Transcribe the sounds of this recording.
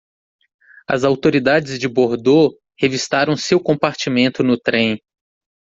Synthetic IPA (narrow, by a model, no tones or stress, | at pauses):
ɐ̰zawt̪oɾid̪ad͡ʒɪzd͡ʒɪboɾd̪o | hevist̪aɾɐ̃w̃sewkõpaɾt͡ʃimẽnt̪ʊnʊt̪ɾẽj̃